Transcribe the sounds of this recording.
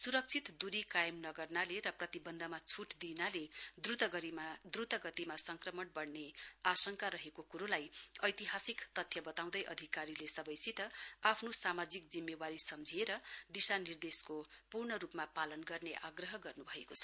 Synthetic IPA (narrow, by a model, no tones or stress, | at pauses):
suɾʌk̚t͡sʰit̪d̪uɾikajmnʌɡʌrnaleɾʌprʌt̪ibʌnd̪ʱʌmat͡sʰuʈd̪inaled̪rut̪ʌɡʌɾimad̪rut̪ʌɡʌt̪imasʌŋkrʌmʌnbʌɽneasʌŋkaɾʌɦekokuɾolajʌjt̪iɦasikt̪ʌt̪ʰjʌbʌt̪aw̃d̪ʌjʔʌ̰d̪ʱikaɾilesʌbʌjsit̪ʌapʰnosamad͡zik̚d͡zimːewaɾisʌmd͡zʱieɾʌd̪isanird̪eskopurɳʌɾupmapalʌnɡʌrneʔaɡrʌɦʌɡʌrnubʱʌekot͡sʰʌ̥